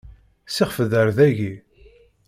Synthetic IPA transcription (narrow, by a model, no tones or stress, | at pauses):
sɪʁfəðəɾðæʝi